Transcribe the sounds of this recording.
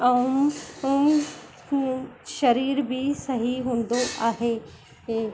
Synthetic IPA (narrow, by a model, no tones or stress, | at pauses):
ɐum | ʃɐɾiːɾbʱisɐɦiɦũːnd̪oʔaːɦe | ke